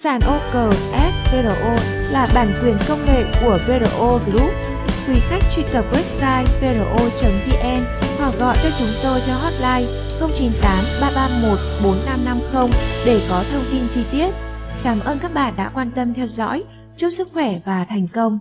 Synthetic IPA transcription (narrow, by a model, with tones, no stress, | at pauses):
saː˧˩nʔo˧kəː˨˩ʔɛ˦˥sve˧ɾo˧ʔo˧ | laː˨˩ɓaː˧˩nkwi˨˩ənkə˧wŋ͡mŋḛ˧˨ku˧˩əve˧ɾo˧ʔo˧zlu˦˥t̚ | kwi˨˦xa˦˥jk̟̚t͡ɕḭ˧kə˨˩p̚wɛ˦˥p̚saː˧jve˧ɾo˧ʔo˧t͡ɕə˨˦nt̪i˧ʔɛ˧m | haː˨˩w̚ɣɔ̰˧˨t͡ɕɔ˧t͡ɕʊ˨˦ŋ͡mt̪o˧jt͡ɕɔ˧ɦɔ˦˥t̚laː˧j | xə˧wŋ͡mt͡ɕi˨˦nt̪aː˨˦mɓaː˧ɓaː˧mo˨˩t̚ɓo˨˦nːa˧mna˧mxə˧wŋ͡mɗe˧˩kɔ˨˦t̪ʰə˧wŋ͡mt̪i˧nt͡ɕi˧t̪i˦˥ət̚kaː˨˩mʔəː˧nkaː˦˥k̚ɓa̰ː˧˨nɗa̰ː˧˥kwaː˧nt̪ə˧mt̪ʰɛ˧wzɔ̰˧˥j | t͡ɕu˦˥t̚sɨ˦˥k̚xwɛ˧˩vaː˨˩t̪ʰɛ˨˩jŋ̟kə˧wŋ͡m